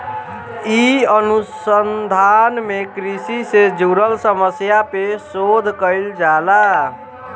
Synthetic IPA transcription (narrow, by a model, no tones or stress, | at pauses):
iənusənd̪ʱanmekɾisised͡ʒuɾəlsəməsjapesod̪ʱkəld͡ʒala